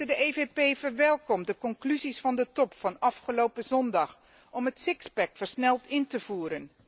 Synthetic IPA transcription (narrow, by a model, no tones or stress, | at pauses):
ədəejvepejvəɹʋɛlˠkɔmdəkɔŋklyzisfɑndətɔpfɑnɑfχəlowpəzɔndɑχ | ɔmɦətsɪkspɛkfəɹsnɛlˠtɪntəv̥uːɾən